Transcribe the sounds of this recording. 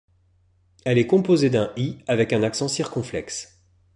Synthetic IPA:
ɛlɛkɔ̃pozed̪ɛ̃iavɛkɛ̃naksɑ̃siʁkɔ̃flɛks

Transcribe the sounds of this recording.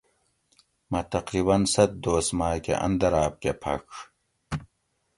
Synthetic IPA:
mɐt̪ɐqɾibɐnsɐt̪̚d̪oːsmaːkḛʔɐ̰nd̪ɐɾaːp̚kepʰɐ̰k

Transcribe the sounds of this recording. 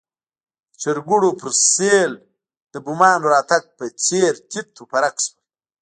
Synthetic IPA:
t͡ʃɪɾɡuɽopəɾsel | d̪̥əbumɑːnɾɑːt̪aɡ̚pət͡seɾt̪it̪ʰːopaɾakswa

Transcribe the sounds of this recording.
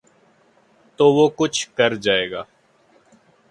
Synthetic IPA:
t̪oːʋoːkʊt͡ʃʰkɐɾd͡ʒaːeːɡaː

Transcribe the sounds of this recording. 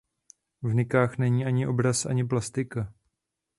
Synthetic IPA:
vnɪkaːxnɛɲiːʔaɲɪʔo̞bɾasʔa̰ɲɪp̬last̪ɪka

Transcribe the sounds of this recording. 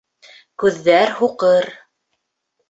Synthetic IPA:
kʉðːæɾhuqɤɾ

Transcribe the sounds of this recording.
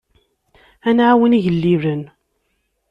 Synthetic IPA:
ænʕawəniʝəlːiɾən

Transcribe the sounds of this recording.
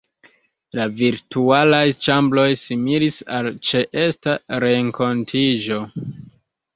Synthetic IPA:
laviɾtualajt͡ʃamblo̞jsimilisalt͡ʃe̞ʔe̞staɾe̞ŋko̞ntʰiʒo̞

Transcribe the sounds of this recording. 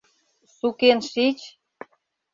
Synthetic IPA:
sukenʃit͡ɕ

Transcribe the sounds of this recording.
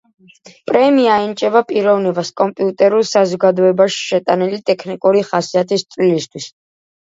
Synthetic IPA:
pʼɾɛmiaint͡ʃʼɛvapʼiɾɔvnibaskʼɔmpʼiut̪ʼɛɾulˠsazɔɡad̪ɔɛbaʃi̥ʃɛt̪ʼanilit̪ʼɛkʰnikʼuɾiχasiat̪ʰist̪sʼvlilist̪ʰwis

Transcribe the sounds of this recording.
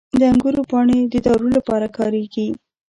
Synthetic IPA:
d̪əaŋɡuɾopɑɳed̪əd̪ɑɾulapɑɾakɑɾeɡi

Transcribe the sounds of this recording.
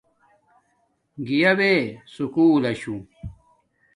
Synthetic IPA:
ɡijɐbesukuːlɐɕũ

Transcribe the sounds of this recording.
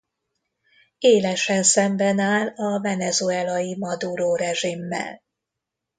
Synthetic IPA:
eːlɛʃɛnsɛmbɛnaːlɒvɛnɛzuɛlɒjimɒd̪uɾoːɾɛʒimːɛ̰l

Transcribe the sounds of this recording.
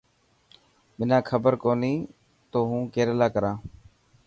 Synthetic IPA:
mɪnãːkʰəbəɾkoːniː | t̪oːɦũːkeːɾəlaːkəɾãː

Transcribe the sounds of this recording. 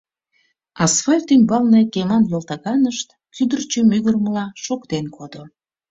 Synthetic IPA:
ɑsfɑlʲt̪ymbɑlnekemɑnlelt̪ɑɣɑnəʃt̪ | kyd̪ərt͡ɕømyɣərməlɑʃokt̪enkʰod̪o

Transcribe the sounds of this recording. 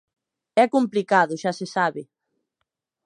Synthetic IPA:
ɛkomplikaðʊʃasesaβɪ

